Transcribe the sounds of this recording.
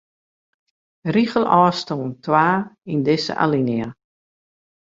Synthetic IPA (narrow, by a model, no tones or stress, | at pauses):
riɣəlˠɔːstoːntʰwaːindɪsə̰ʔa̰linia